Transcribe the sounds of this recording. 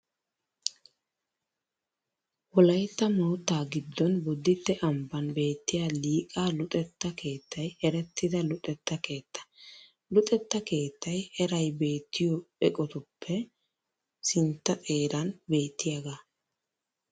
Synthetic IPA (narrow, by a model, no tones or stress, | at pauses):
wɔlɐjt̪ːɐmɐwt̪ːaːɡɪd̪ːɔnbʊd̪ːɪt̪ːɛʔɐmbɐnbe̞ːt̪ːɪjaːliːkʼaːlʊt̪ʼɛt̪ːɐkʰe̞ːt̪ʰːɐjɛɾɛt̪ʰːɪd̪ɐlʊt̪ʼɛt̪ːɐke̞ːt̪ʰːɐ̥ | lʊt̪ʼɛt̪ːɐke̞ːt̪ːɐjɛɾɐjbe̞ːt̪ʰːɪjɔɛkʼɔt̪ʊpʰːɛ | sɪnt̪ːɐt̪ʼe̞ːɾɐnbe̞ːt̪ːɪjaɡaː